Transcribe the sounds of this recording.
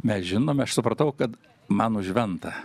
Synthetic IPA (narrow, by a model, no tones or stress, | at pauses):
mʲɛsʒʲɪnoːmʲɛɐʃsʊpɾɐt̪ɐʊkɐt̪ | mɐnʊʒʲʋʲɛnt̪ɐ